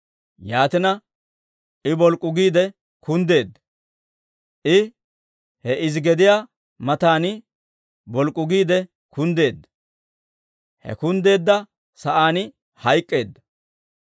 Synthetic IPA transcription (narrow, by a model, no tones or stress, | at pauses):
jaːt̪ɪnɐ | ʔɪbɔlkʼːʊɡiːd̪ɛ | kʊnd̪e̞ːd̪ːɐ̥ | ʔɪ | hɛʔɪzɡɛd̪ɪjaː | mɐt̪aːnɪ | bɔlkʼːʊɡiːd̪ɛ | kʊnd̪e̞ːd̪ːɐ̥ | hɛ̰kʊnd̪e̞ːd̪ːɐ | sɐʔaːnɪ | hɐjkʼːe̞ːd̪ːɐ̥